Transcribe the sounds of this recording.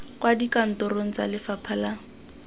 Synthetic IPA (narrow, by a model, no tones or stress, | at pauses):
kwadikan̩tɔroŋ̩t͡sa̰lɪfapʰala